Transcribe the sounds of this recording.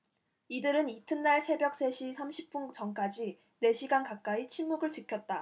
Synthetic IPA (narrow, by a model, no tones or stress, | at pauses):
idɯɾɯnitʰɯnːaɭsʰe̞bjʌk̚s͈e̞ɕʰisʰamɕʰip̚p͈unt͡ɕʌŋk͈ad͡ʑi | ne̞ɕʰiɡankak̚k͈ait͡ɕʰimːuɡɯɭt͡ɕɯkʰjʌt̚t͈a